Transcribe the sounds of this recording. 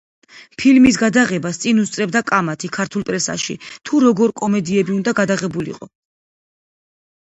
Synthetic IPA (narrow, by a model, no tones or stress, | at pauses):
pʰilmis̬ɡad̪aʁɛbast̪sʼinust̪sʼɾɛbd̪akʼamat̪ʰikʰaɾt̪ʰulˠpʼɾɛsa̰ʃḭt̪ʰuɾɔɡɔɾkʼɔmɛd̪iɛbiund̪aɡad̪aʁɛbulḭqʼɔ